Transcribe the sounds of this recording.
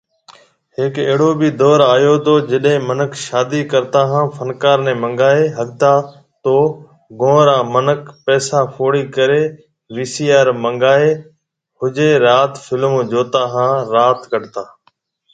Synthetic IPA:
ɦɪkeːɽoːbid̪ɔːɾaːjoːt̪oːd͡ʒɪɗɦẽːmənəkʃaːd̪iːkəɾt̪aːɦãːfʰənkaːɾnẽːmə̃ŋɡaːeːɦəɠ̚t̪aː | t̪oː | ɡõːɾãːmənəkpɛːsaːpʰoːɽiːkəɾeː | ʋiːsiːaːɾmə̃ŋɡaːeː | hʊd͡ʒeːɾaːt̪fɪlmõːd͡ʒoːt̪aːɦãːɾaːt̪kəɖt̪aː

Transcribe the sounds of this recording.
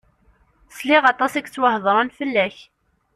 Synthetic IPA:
sliʁɑt̪ˤɑsæɡt͡sːwəhðˤɾˤɑnfəlːæç

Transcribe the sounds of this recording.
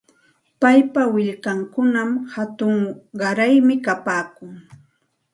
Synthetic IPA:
pajpawɪʎkaŋkʊnamhat̪ʊŋɢɑɾajmɪkapaːkʊŋ

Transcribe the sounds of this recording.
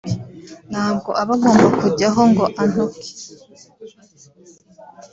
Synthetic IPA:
n̥haːbɡo̞ʔaβaɡo̞ːmbakuɾɟaɦo̞ŋɡo̞ʔanuki̥

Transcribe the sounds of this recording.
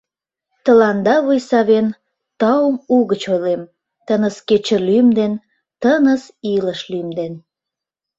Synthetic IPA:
t̪əlɑnd̪ɑβujsɑβen | t̪ɑumuɣət͡ɕojlem | t̪ənəsket͡ɕəlymd̪en | t̪ənəsiləʃlymd̪en

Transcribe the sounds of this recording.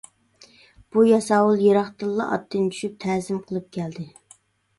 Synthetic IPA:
b̥ujɑsɑwulˠjeɾɑχt̪ɨlˠːɑ̰ʔɑ̰t̪ːɨnt͡ʃʰy̥ʃyp̚t̪ʰɛːzɪmqʰəlˠɨp̚kʲʰɛld̪ɪ

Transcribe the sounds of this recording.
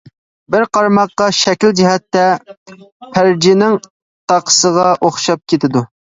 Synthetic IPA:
bɪɾqʰɑɾmɑqːɑʃɛkʲɪld͡ʒɪɦɛt̪ːɛ | pʰæɾd͡ʒinɪŋ | t̪ʰɑqʰə̥səʁɑʔoχʃɑp̚kʲʰet̪ʰɪd̪u

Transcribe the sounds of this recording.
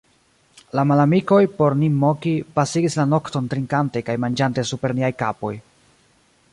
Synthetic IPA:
lamalamiko̞jpo̞ɾnimːokipasiɡislano̞kto̞ntɾiŋkante̞kajmand͡ʒante̞supe̞ɾniajkapo̞j

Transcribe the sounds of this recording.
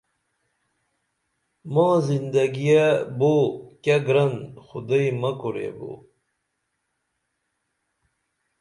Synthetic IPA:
mãːzind̪aɡijabokʲaɡɾɐnxud̪əjmɐkuɾḛbo̰ː

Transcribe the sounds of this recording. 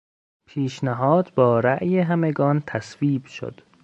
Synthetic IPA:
pʰiːʃnæɦɒːd̪bɒːɾæʔjeɦæmeɡɒːnt̪ʰæsviːbʃo̰d̪̥

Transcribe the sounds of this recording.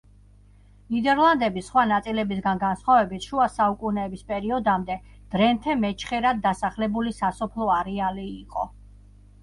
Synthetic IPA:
nid̪ɛɾlˠand̪ɛbisχwanat̪sʼilɛbisɡanɡansχwavɛbit̪ʰʃuasaukʼunɛːbispʼɛɾiɔd̪amd̪ɛ | d̪̥ɾɛnt̪ʰɛmɛt͡ʃʰχɛɾad̪ːasaχlɛbulisasɔpʰlˠɔaɾɛaliːqʼɔ̰

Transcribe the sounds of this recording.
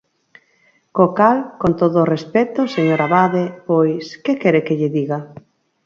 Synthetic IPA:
kokalkont̪oðoːrespɛt̪oseɲoɾaβaðepojskekɛɾekeʎɪðiɣa

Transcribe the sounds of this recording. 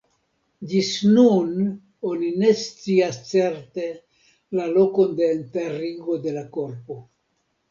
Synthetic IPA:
d͡ʒisnun | o̞nine̞st͡siast͡se̞ɾt̪e̞ | lalo̞ko̞nde̞ːnt̪eɾiɡo̞d̪e̞lako̞ɾpo̞

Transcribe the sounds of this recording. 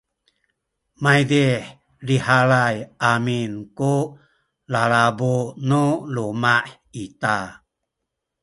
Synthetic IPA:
majdiħ | ɾihalajaminku | laɭabuʔnulumaʔ | it̪a

